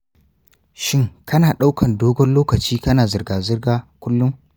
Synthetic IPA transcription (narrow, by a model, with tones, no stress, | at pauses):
ʃɪ˦ŋkɐ˦naː˨ɗa˦wkʰɐ˨ndoː˦ɡɔ˦nloː˦kɐ˨t͡ʃiː˦kɐ˦naː˨zɪ˨rɡaː˨zɪ˦rɡaː˦kʷʊ˦lːʊ˦ŋ